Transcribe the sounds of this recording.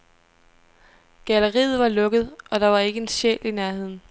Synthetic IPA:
ɡ̥æləʁḭːð̞̩ˠʋɑ̈lɔ̽ɡ̥əð̞̩ˠɒ̽d̥ɑ̈ʋɑ̈e̝ɡ̥əe̝nsɕḛːlinæɐhe̝ð̰ˠn̩

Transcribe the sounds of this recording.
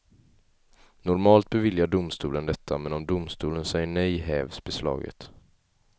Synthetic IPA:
nɔɾmɑːlt̪̚bɛvɪljaɖʊmst̪uːlənd̪ɛt̪ʰːamɛnɔmd̪ʊmst̪uːlənsɛjːəɳɛjɦɛːvsbɛslɑ̰ːɡə̰t̪

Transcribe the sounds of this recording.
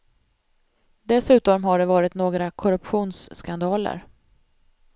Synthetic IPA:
d̪ɛsʉ̟ːt̪ɔmɦaɖɛvɑːɾɪt̪noːɡɾakʰɔɾɵpɧuːnsːkand̪ɑːlə̰ɾ

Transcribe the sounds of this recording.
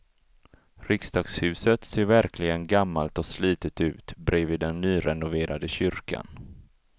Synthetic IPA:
ɾɪkst̪ɑːɡshʉ̟ːsət̪seːɾvæɾkʰlɪɡənɡamːalt̪ɔsliːt̪ət̪ʉ̟ːt̪bɾeːviːd̪ɛnːyːɾɛnʊveːɾad̪əɕʏɾka̰n

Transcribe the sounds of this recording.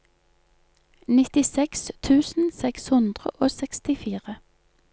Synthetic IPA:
nɪt̪ɪsɛkst̪ʰʉːsn̩sɛkshʉnd̪ʁə̰ʔoːsɛkst̪ɪfiːʁə

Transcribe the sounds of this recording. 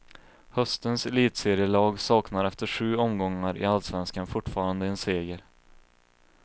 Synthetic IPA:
hœst̪ənsɛliːt̪seːɾɪjəɭɑːɡsɑːknaɾɛft̪əɧʉ̟ːɔmɡɔŋːaɾɪ̰alsvɛnskanfʊʈːfɑːɾand̪əɛnseːɡəɾ

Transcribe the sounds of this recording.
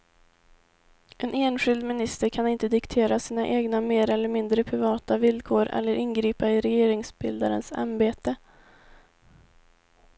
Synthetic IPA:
ʔɛnʔeːnɧɪld̪mɪnɪst̪əɾkʰanɪnt̪əd̪ɪkt̪ʰeːɾasiːnaʔeːɡnameːɾɛlːəɾmɪnd̪ɾəpʰɾɪvɑːt̪avɪlkʰoːɾʔɛ̰lːəɾʔɪnɡɾiːpaɪɾɛjeːɾɪŋsbɪld̪aɾə̰nsa̰nbeːt̪ə

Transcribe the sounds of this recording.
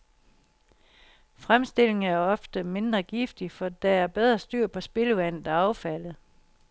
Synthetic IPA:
fʁamsd̥e̝l̰e̝ŋæɐɒ̽fd̥əme̝nd̥ʁɐɡ̥ifd̥ifɒ̽d̥ææɐb̥eð̞ˠʁɐsd̥yɐ̰pʰɒ̽sb̥e̝ləʋæn̰ð̩ˠæɑ̈ʊfæl̰ð̩ˠ

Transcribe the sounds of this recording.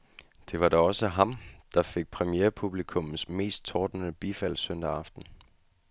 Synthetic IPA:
d̥e̝ʋɑ̈ɾɑɒ̽səɦɑ̈md̥ɑ̈fe̝ɡ̥̚pʰʁɛmieːɐpʰub̥likʰɔ̽mn̩sme̝̰ːsd̥̚t͡sʰɒːd̥ənəb̥ifæl̰sœn̰d̥ɑɑ̈fd̥n̩

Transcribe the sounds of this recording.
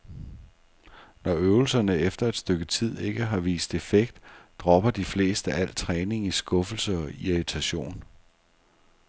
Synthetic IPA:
nɒøʊl̩sɐnəefd̥ɐe̝d̥sd̥øɡ̥ət͡sʰið̞̰ˠe̝ɡ̥əɦɑ̈ʋḭːsd̥e̝feɡ̥d̥ːʁɒ̽b̥ɐd̥ifle̝̰ːsd̥əʔæl̰t͡sʰʁɛːne̝ŋisɡ̥ɔ̽fl̩səɒ̽iit͡sʰæɕo̝̰ːn

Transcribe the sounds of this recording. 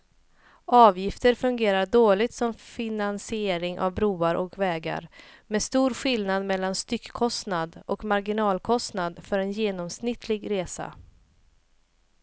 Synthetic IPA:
ɑːvjɪft̪əɾfɵŋɡeːɾaɖoːɭɪɡt̪sɔmfɪnansɪeːɾɪŋʔa̰vbɾuːaɾʔɔkvɛːɡa̰ɾmɛst̪uːɾɧɪlnad̪mɛlːanst̪ʏkkʰɔst̪nad̪ʔɔkmaɾɡɪnɑːlkʰɔst̪nad̪fœɾɛnjeːnɔmsnɪt̪ʰlɪɡɾeːsa̰

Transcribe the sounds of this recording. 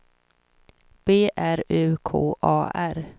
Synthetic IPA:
b̥eːʔæɾʉ̟ːkʰo̰ːʔɑ̰ːʔæɾ

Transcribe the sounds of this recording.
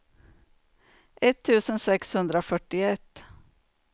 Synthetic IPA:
ʔɛt̪ʰːʉːsənsɛkshɵnd̪ɾəoːfœʈːɪɛt̪ː

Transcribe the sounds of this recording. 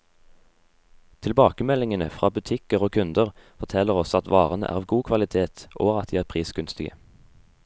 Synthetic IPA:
t̪ʰɪlbɑːkəmɛlɪŋənə̰fʁɑːbʉt̪ʰɪkəʁoːkʰʉnd̪əʁfɔʁt̪ʰɛləʁɔsɑt̪ʋɑːʁənə̰ʔæ̰ʁɑːʋɡuːkʰʋɑlɪt̪ʰeːt̪ʔoːʁɑt̪d̪iːæːʁpʰʁiːsɡ̥ʉnst̪ɪɡə̰

